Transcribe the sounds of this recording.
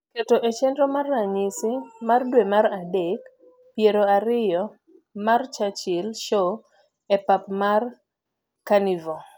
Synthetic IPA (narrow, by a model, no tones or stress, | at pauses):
ketoʔet͡ʃɛndɾomarːaɲisɪmardwemaɾadek | pjeɾoaɾɪjɔ | mart͡ʃat͡ʃɪlʃo | epapmar | kanivo